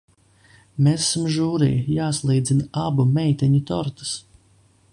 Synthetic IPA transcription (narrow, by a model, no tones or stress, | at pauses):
mesːumʒuːɾḭjjaːslˠiːd̪zinaabumɛjt̪ɛɲut̪ɔɾt̪ḁs